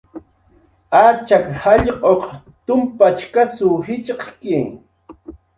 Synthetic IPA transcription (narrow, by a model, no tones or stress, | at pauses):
at͡ʃakhɑʎqʼoq | t̪ʊmpat͡ʃkasʊhɪt͡ʃqkɪŋ